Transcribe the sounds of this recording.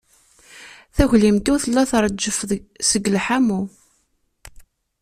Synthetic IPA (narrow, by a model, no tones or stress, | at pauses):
θæʝlimt̪uθəlːæθɾˤd͡ʒːəfsəɡəlħamu